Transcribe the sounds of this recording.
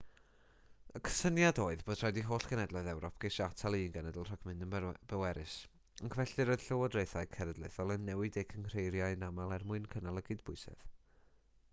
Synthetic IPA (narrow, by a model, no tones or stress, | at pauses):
əkʰə̥sənjadoːɨðb̥oːd̥ʰrɔjdiɦoːɬkʰənɛdlˠɔɨðɛwɾɔp̚ʰɡ̥ejʃatʰalˠinɡɛnədɪlˠr̥ɔɡmɨndənb̥əwɛɾɨs | ənkʰvɛɬɨɾɔɨð̥ɬəwɔdrejθaɨkʰɛɾədlˠejθɔlˠənːɛwɪdɪkʰənr̥ejɾjaɨnamalˠɛrmʊɨnkʰənalˠəɡɨdbʊɨsɛ̰ð